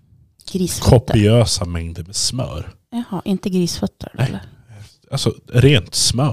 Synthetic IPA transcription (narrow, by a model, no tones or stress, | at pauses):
ɡɾiːsfkʰɔpːɪøːsamɛŋd̪əɾmɛsmœ̰ːɾ | hɑːʔɪnt̪əɡɾiːsfœt̪ʰːə̰lːə | alsɔɾeːnt̪smœ